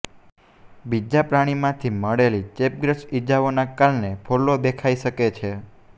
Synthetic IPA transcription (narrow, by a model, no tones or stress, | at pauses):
bid͡ʒapɾaɽ̃imãt̪ʰiməɽelit͡ʃep̚ɡɾəʃid͡ʒaʋonakalnepʰolobekʰaiʃəket͡ʃʰe